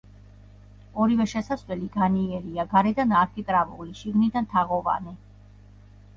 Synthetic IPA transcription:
ɔɾivɛʃɛsaswɛliɡaniɛɾiaɡaɾɛd̪anaɾkʰit̪ʼɾavṵliʃiɡnid̪ant̪ʰaʁɔva̰nɛ

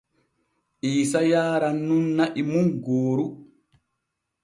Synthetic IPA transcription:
ʔiːsajaːɾanːunːaʔimunɡoːɾu

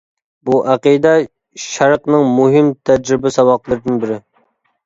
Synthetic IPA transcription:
buʔæqid̪ɛ | ʃæɾqnɨŋmuɦɪmt̪ʰɛd͡ʒɾɪbɪsɑwɑqlˠɨɾɨd̪ɨnbɪɾɪ

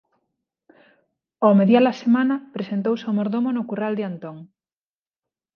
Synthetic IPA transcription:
omeðjalɐsemanɐpɾesent̪owsomoɾðomonʊkurald̪ɪant̪oŋ

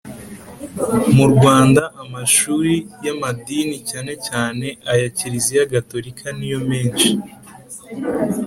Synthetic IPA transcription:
muɾɡwaːndaʔamaʃuːɾijamadinicaːne̞caːne̞ʔajaciɾizijaɡato̞ɾikʰanijo̞me̞ːnʃi

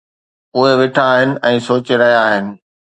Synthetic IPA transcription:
ʊɦeʋɪʈʰaːɦɪnɪ̆ʔɛ̃ːsoːt͡ɕɾɐɦijaːɦɪnɪ̆

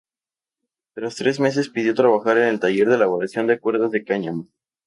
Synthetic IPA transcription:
t̪ɾast̪ɾe̞zme̞s̬e̞spiðjo̞t̪ɾaβ̞axaɾe̞ne̞lt̪aʝe̞ɾð̞elaβoɾasjo̞nd̪ekwe̞ɾðazðe̞kaɲamo

